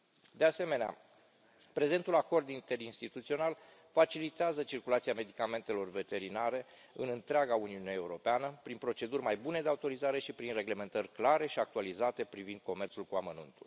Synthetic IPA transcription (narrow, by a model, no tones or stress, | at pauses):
d̪e̞ase̞me̞nea̰ | pɾe̞ze̞nt̪ulako̞rd̪int̪e̞ɾinst̪it̪ut̪sio̞nal | fat͡ʃilit̪eazət͡ʃirkulat̪siame̞d̪ikame̞nt̪e̞lo̞rve̞t̪e̞ɾinaɾe̞ | ɨnɨnt̪ɾeaɡauniuneeuɾo̞peanəpɾinpɾo̞t͡ʃe̞d̪urʲmajbune̞d̪eaut̪o̞ɾizaɾe̞ʃipɾinre̞ɡle̞me̞nt̪ərʲklaɾe̞ʃiak̚t̪ualizat̪e̞pɾivind̪̥̚ko̞me̞rt̪sulkuamənṵnt̪ul